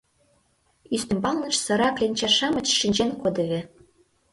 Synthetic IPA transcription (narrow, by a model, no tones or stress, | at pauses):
yst̪ɘ̆mbɑlˠnɤ̆ʃsɤ̆ɾɑklʲenʲt͡ɕɑʃɑmɤ̆t͡ɕʃinʲd͡ʑenkod̪ɤ̆ɣʲĕ